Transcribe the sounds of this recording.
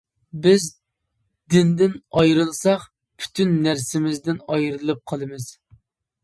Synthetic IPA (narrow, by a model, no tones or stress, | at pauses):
bɪz | d̪ɪnd̪ɪnɑjɾɨlˠsɑχ | pʰy̥t̪ʰynːæɾsɪmɪzd̪ɪnɑjɾɨlˠɨp̚qʰɑlˠɨmɨz̥